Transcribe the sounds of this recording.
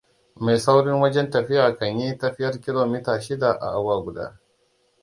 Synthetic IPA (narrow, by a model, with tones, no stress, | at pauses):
meː˨sa˦wɽɪ˦ŋwɐ˦d͡ʒɛ˦ntɐ˨ɸɪ˦jaː˨kɐ˨ɲji˦tɐ˦ɸɪ˦jɐ˦rkʲɪ˦loː˨miː˦taː˨ʃɪ˦da˨ʔa̰˨ʔa˦waː˦ɡʷʊ˨da̰ː˦